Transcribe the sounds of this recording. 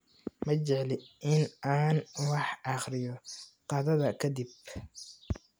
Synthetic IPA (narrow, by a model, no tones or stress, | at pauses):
mɐt͡ʃɛʕlɪʔɪnaːnwɑħɑχɾɪjɔqɑðɐðɐkʰɐd̪ib